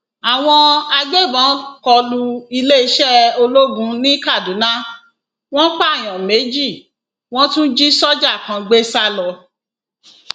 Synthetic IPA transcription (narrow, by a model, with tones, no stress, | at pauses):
a˨w̃ɔ̃˧a˧ɡ͡be˦˨bã˨˦kɔ˧lu˧i˧le˦i˧˦ʃɛ˦o˧lo˦ɡũ˧˦nĩ˦ka˦˨du˨˦nã˦ | w̃ɔ̃˦k͡pa˦˨j̃ɔ̃˨me˨˦d͡ʒi˦˨ | w̃ɔ̃˦tũ˦d͡ʒi˦sɔ˦d͡ʒa˦˨kã˧ɡ͡be˦sa˦lɔ˧